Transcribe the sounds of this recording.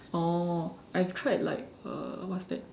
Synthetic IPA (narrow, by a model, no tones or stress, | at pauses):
o | ajftʰɹaɪtla̰ɪk̚ʌ̰wɔtsdɛt̚